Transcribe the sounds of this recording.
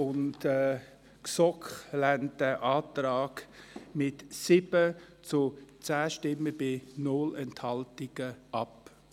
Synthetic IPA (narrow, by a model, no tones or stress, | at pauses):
ʊntɛ | ksɔkχlɛntəʔaːtɾaːɡmɪtsɪb̥ə | t͡sʊt͡sæːʃtɪmːəb̥ɪnolɛnthɑltɪɡ̥əʔɑp